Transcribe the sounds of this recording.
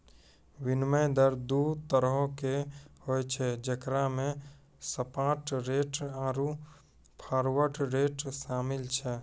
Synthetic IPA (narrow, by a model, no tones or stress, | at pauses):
wɪnməjd̪əɾd̪uːt̪əɾəɦokehojt͡ʃʰɛd͡ʒəkɾamẽ | səpãːʈɾeːʈaːɾu | pʰaːɾwəɾʈɾeːʈʃaːmɪlt͡ʃʰɛ